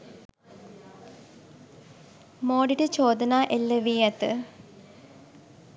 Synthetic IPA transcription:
moːɖiʈɨt͡ɕoːd̪ɐnaʔelːɐʋijɐt̪ɨ̰

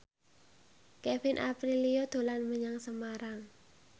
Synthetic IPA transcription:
kɛfɪnʔa̰pɾiliod̪̥o̤lanməɲaŋsəmaɾaŋ

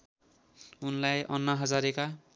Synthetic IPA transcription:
unlajʔʌnːʌɦʌd͡zaɾeka

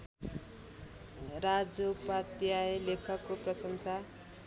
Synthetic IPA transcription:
rad͡zopat̪jaelekʰʌkːoprʌsʌmsa

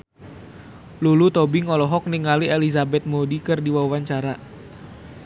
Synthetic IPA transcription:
lulut̪ɔbiŋɔlɔɦɔk̚niŋalielizabɛt̪̚modikɨrdiwawaɲt͡ʃaɾa

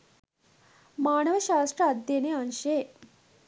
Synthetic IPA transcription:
maːnɐʋɐʃaːsʈ̪ɾɐɐd̪jɐneanʃe

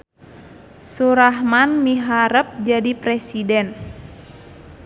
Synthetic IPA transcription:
suɾaɦmanmiɦaɾəp̚d͡ʒadipɾesidɛn

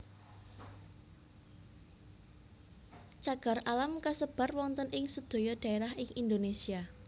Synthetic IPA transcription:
t͡ʃaɡ̥a̤ralamkasəb̥a̤rwɔŋnt̪ənʔɪŋsəd̪̥o̤jɔɖ̥a̤eɾahɪŋʔind̪onesia

